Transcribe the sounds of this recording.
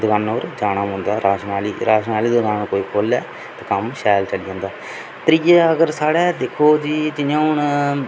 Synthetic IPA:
d̪ɡaːnoːɾd͡ʒaːnaːmɦʊ̃ːnd̪aːɾaːʃnaːliːɾaːʃnaːliːd̪ɡaːnkoːiːkʰoːlɛː | t̪aːkəmʃaːjlt͡ʃəlid͡ʒãːnd̪aː | t̪ɾiːɛːəɡəɾsaːɽɛːd̪eːkʰːoːd͡ʒiːd͡ʒɪnãːʊɳ

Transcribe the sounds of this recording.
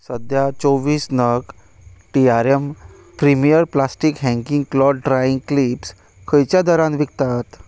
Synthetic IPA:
səd̪ʱjat͡sɔʋiːsnək | ʈiaɾem | pɾimijəɾplasʈikɦɛ̃ŋkĩŋɡklɔɾɖɾaĩŋɡklips | kʰəjt͡ɕjad̪əɾãnʋik̚t̪at̪

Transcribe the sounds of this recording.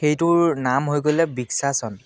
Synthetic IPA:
xejtʊɹnamɦojɡolɛbiksasɔn

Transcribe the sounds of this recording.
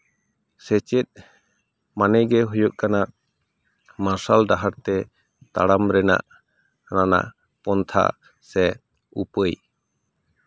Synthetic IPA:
sɛt͡ʃɛt̪̚ˀ | manɛjɡɛɦujɔʔ̪̚kanaʔ | masalɖaɦaɾt̪ɛ | t̪aɽamɾɛna̰ʔ | nana̰ʔ | pɔnt̪ʰa̰ | sɛ | upəj

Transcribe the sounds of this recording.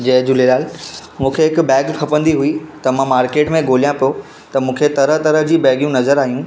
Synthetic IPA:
d͡ʑɐ̃ɦd͡ʑʊleːɾaːlmũːkʰeɦɪkbɛːɡkʰɐpə̃nd̪iɦuit̪ɐmãmaːɾkeːʈmẽɡʱoːlijãpijo | t̪ɐmũːkʰet̪ɐɾəɦt̪ɐɾəɦd͡ʑiːbɛːɡijũnɐzəɾaːɦijũː

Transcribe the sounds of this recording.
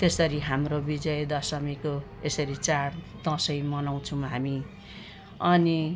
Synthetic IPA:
t̪esʌɾiɦamrobid͡zʌjd̪ʌsʌmiko | esʌɾit͡sar | d̪ʌ̃sʌjmʌnaw̃t͡sʰũɦami | ʌni

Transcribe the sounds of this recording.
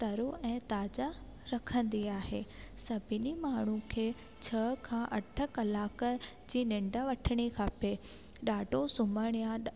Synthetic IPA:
t̪ɐɾoɛ̃ːt̪aːd͡ʑa | ɾɐkʰə̃nd̪iaːɦeːsɐbʱɪnimaːɳ̤ũkʰeː | t͡ɕʰɐɦkʰãːʔɐʈʰə̆kɐlaːkə | d͡ʑiːnɪ̃ɳɖaʋɐʈʰəɽ̃ikʰaːpe | ɗaːɖosʊməɽ̃ijã

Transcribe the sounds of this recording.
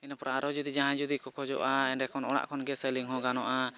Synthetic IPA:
inapɔɾaːɾɔd͡ʒud̪id͡ʒaɦãd͡ʒud̪ikɔkɔd͡ʒɔ̰ʔaɛnɖɛkɔnɔla̰ʔkɔnɡɛsɛliŋɦɔɡanɔʔa

